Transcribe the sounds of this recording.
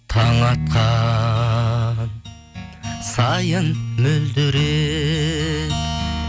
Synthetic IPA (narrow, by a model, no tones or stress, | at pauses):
t̪ʰɑŋɑt̪̚qʰɑ | sɑjənmɵld̪ʏɾe